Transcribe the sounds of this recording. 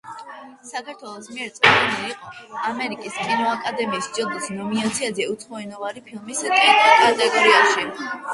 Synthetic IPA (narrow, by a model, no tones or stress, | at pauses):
sakʰaɾt̪ʰwɛlˠɔsmiɛɾt̪sʼɛnɛiqʼɔamɛɾikʼiskʼinɔakʼad̪ɛmiːsd̪t͡ʃʼilˠd̪isnɔminat̪sʰiazɛut̪sʰχɔɛnɔvaɾipʰilˠmiskʼitʼkʼaɾd̪ʼakʼɔɾiaʃi